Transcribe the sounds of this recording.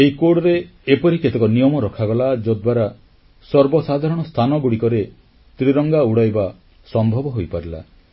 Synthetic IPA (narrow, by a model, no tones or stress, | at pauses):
eikoɽɔɾeːpɔɾiket̪ekɔnijɔmɔɾɔkʰaɡɔlad͡ʒɔd̪waɾa | sɔɾbɔsad̪ʱaɾɔɽ̃ɔst̪ʰanɔɡuɽikɔɾe | t̪ɾiɾɔŋɡauɽajba | sɔmbʱɔbɔɦojpaɾila̰